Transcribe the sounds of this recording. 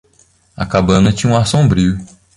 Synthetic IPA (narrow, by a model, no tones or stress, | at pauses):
ɐ̰kabɐ̃nɐt͡ʃĩɲũasõbɾiʊ